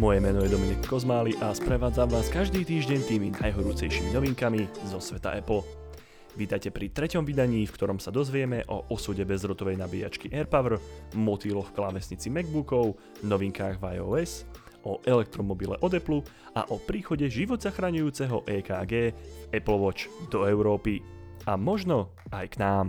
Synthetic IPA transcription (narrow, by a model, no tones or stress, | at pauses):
mɔjɛmɛnɔjɛd̪ɔmiɲɛkːɔzmaːliʔaspɾɛʋaːd͡zamʋaːskaʒd̪iːt̪iːʒɟɛɲt̪iːminajɦɔɾuːt͡sɛ̰jʃiminɔʋiŋkamizɔsʋɛt̪a̰ʔɛpl̩ | ʋit̪ajcɛpɾit̪ɾɛcɔmʋid̪aɲiːfkt̪ɔɾɔmsad̪ɔzʋɪɛmɛʔɔʔɔsuːɟɛbɛzɾɔt̪ɔʋɛjnabiːa̰t͡ʃkiʔɛɾpaʋr̩mɔt̪ilɔfklaʋɛsɲit͡simɛɡ̚bukɔʊ | nɔʋiŋkaːɣʋajɔɛs | ɔʔɛlɛk̚t̪ɾɔmɔbilɛ̰ʔɔd̪ɛplu | a̰ʔɔpɾiːxɔɟɛʒiʋɔd̪zaxɾaɲujuːt͡sɛɦɔʔɛːkaːɡɛːɛpl̩ʋɔt͡ʃd̪ɔɛʊɾɔːpi | amɔʒnɔ | ajknaːm